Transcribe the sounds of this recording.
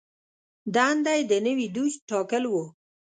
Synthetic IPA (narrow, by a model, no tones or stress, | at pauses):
d̪ɑnd̪ajd̪ənəwid̪uʃʈɑkəlwu